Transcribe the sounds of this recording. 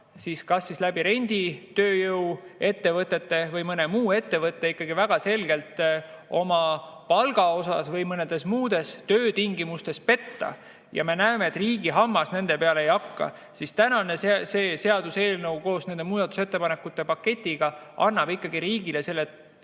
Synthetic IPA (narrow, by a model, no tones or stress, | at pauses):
siskɑsːislæb̥iɾe̞nʲd̪̥it̪øːjɤwe̞t̪ːe̞vɤt̪ːˑe̞t̪ːe̞vɤjmɤne̞muːe̞t̪ːe̞vɤt̪ːˑeikːˑɑɡivæɡ̥ɑse̞lɡ̥e̞lt̪ | o̞mɑpɑlɡ̥ɑo̞sɑ̰svɤjmɤned̪̥e̞smuːd̪̥e̞st̪øːt̪iŋɡimust̪e̞spe̞t̪ːɑ̰ | jɑ̰me̞næemeːt̪ːˑriːɡ̥iɦɑmːɑsne̞nd̪̥e̞pe̞ɑleejɑkːɑ̰ | sist̪ænɑne̞sese̞ːse̞ɑd̪̥use̞ːlnɤuwko̞ːsne̞nd̪e̞muːd̪ɑt̪ːˑu̥se̞t̪ːe̞pɑnekːˑut̪ːe̞pɑkːe̞t̪ʲːˑiɡ̥ɑɑnːɑb̥ikːˑɑɡiɾiːɡilese̞lːet̪